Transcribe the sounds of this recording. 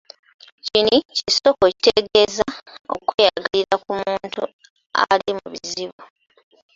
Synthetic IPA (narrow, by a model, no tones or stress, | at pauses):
ciniciso̞koci̥teɡe̞ːzao̰kweːjaɡaliɾakumuːntu | alimṵβiziβu